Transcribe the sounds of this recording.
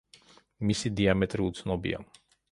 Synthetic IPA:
misid̪iamɛt̪ʼɾiut̪sʰnɔbḭa̰

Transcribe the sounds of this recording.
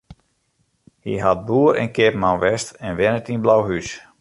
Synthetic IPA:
hiɦat̚buːəɾɛ̰nkɪpmawʋɛstɛnʋɛnətinblawɦys

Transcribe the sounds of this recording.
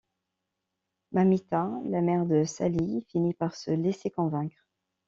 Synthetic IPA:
mamit̪ãlamɛʁd̪əsa̰lifinipaʁsəlesekɔ̃vɛ̃kχ

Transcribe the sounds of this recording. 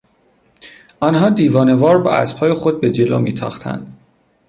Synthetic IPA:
ʔɒːnɦɒːd̪iːvɒːne̞vɒːɾbɒ̰ːæ̰spʰɒːjexo̞d̪̚be̞d͡ʒe̞lomiːt̪ʰɒ̰ːxt̪ʰæ̰nd̪̥

